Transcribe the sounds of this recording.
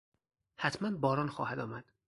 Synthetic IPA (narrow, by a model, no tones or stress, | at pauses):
hæt̪ʰmænbɒːɾɒːnxɒːhæd̪ɒːmæd̪̥